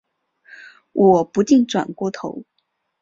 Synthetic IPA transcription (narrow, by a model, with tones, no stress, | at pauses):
wʔɔ˨˩pu˧˥t͡ɕi˥˩ŋʈ͡ʂwa̰˨˩nkwɔ˥˧t̪ʰo̰˧˥ʊ